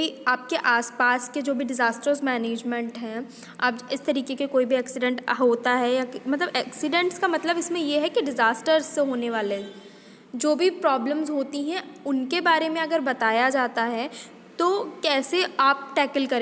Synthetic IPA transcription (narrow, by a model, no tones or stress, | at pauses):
iaːp̚keʔaːspaːsked͡ʒoːbʱiɖɪzaːsʈəɾzmɛːneːd͡ʒmɛ̃ɳʈɦɛ̃ | aːpɪst̪ɐɾiːkekekoːibʱiɛːksɪɖɛ̃ɳʈɦoːt̪aɦɛjakmɐt̪ləbɛːksɪɖɛ̃ɳʈskamɐt̪ləbɪsmẽjeɦɛkiɖɪzaːsʈəɾzːeɦoːneʋaːle | d͡ʒoːbʱipɾɔːbləmzɦoːt̪iɦɛ̃ʊnkebaːɾemẽɐɡəɾbɐt̪aːjad͡ʒaːt̪aɦɛ | t̪oːkɛːseaːp̚ʈɛːkəlkɐɾẽ